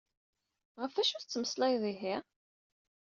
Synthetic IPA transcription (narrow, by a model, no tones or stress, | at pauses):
ʁəfæʃut͡sːməslɑjðˤiɦi